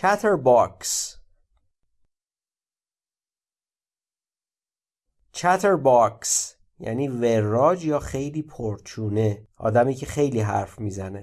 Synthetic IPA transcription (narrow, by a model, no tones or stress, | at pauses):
t͡ʃʰæt̪ʰeɾbɒks | t͡ʃʰæt̪ʰeɾbɒks | jæ̰niːveɾːɒːd͡ʒjɒːxe̞jliːpʰoɾt͡ʃʰuːne̞ʔɒ̰ːd̪æmiːcʰexe̞jliːɦæ̰ɾfmiːzæne̞